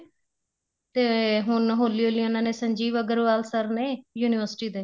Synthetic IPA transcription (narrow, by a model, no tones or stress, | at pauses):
t̪eːɦʊnɦoːliːoːlioːnãːneːsəɲd͡ʒiːʋəɡəɾʋaːlsəɾneːjuːnɪʋəɾsʈiːd̪eː